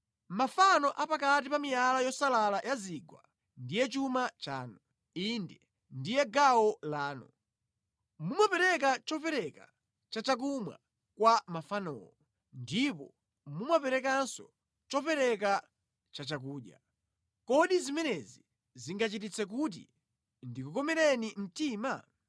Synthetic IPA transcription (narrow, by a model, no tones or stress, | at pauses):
mafanɔʔapakatipamijalajɔsalalajʔaziɡwa̰ | ndijɛt͡ʃumat͡ʃa̰ːnu | indɛ | ndijɛɡawɔlaːnu | mumapɛɾɛkat͡ʃɔpɛɾɛka | t͡ʃat͡ʃak̬umwa̰ | kwamafanɔ̰wɔ | ndipɔ̰ | mumapɛɾɛkansɔ̰ | t͡ʃɔpɛɾɛk̬a | t͡ʃat͡ʃak̬uːɗja̰ | kɔɗizimɛnɛzi | ziŋɡat͡ʃit̬it͡sʰɛk̬ut̬ḭ | ndikukɔmɛɾɛnim̩tiːma